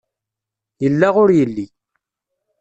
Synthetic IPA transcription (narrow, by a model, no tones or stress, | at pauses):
jəlːaʁʊɾjəlːi